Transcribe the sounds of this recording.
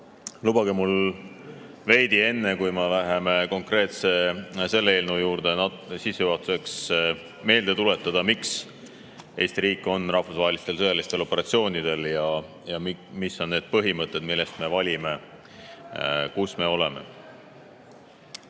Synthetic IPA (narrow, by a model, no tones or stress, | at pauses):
lub̥ɑɡemul | ve̞jd̪ie̞nːe̞kujmelæɦe̞me̞ko̞ŋkre̞ːt̪se̞se̞lːee̞ːlnujuːɾd̪̥e̞nɑ | sisːejuɦɑt̪ːˑu̥se̞ks | me̞ːld̪̥e̞t̪ule̞t̪ːˑɑd̪̥ɑmiks | e̞jst̪iɾiːkːˑo̞nrɑhfusɑɦe̞list̪e̞lsɤjɑlist̪e̞lo̞pːˑeɾɑt̪sio̞ːnʲid̪̥e̞ljɑ | jɑmmisːo̞nːe̞ːd̪̥̚pɤɦimɤt̪ːˑe̞d̪milːe̞st̪me̞vɑlʲime̞ | kusme̞o̞le̞me̞̰